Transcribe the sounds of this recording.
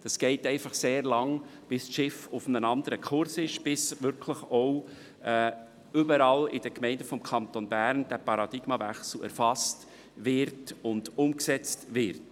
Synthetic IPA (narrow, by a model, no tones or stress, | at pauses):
d̥ɑsɡ̥ɛɪtɛɪfɑχseːɾlɑŋb̥ɪsʃɪfʊfənənɑndəɾəkʰʊɾsɪʃb̥ɪsʋʏɾkʰləχɔʊ | ɛː | ʏbəɾɑlɪd̥əkmɛɪndəfɔmkʰɑnt̪onbæɾnd̥æpɑɾɑd̥ɪɡ̥mɑvɛ̰χsl̩æ̰ɾfɑst | vɪɾtʊndʊmksɛt͡stvɪɾt